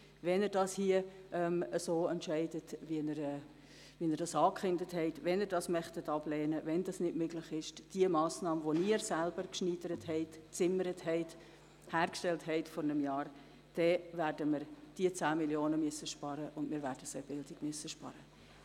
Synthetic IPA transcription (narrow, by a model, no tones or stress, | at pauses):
vɛnəɾdɑshiəʔɛməsoːɛntʃɛɪdətvinəɾɛː | viənəɾdɑsɑːkχɪndəthɛɪtvɛnəɾdɑsmœχtətɑblɛːnəvɛndɑsnɪdmøɡlɪχɪʃd̥iəmɑːsnɑːməʋoniːəɾsælbəɾkʃniːd̥əɾəthɛɪtt͡sɪməɾəthɛɪt | hæːɾkʃtɛlthɛɪtfɔɾnəmjɑːr | d̥ɛvæɾdəmərd̥iət͡sæːmiljoːnəmyəsəʃpɑɾəʔʊndmɪːɾvæɾdəseb̥ɪldɪɡmyəsəʃpɑ̰ɾə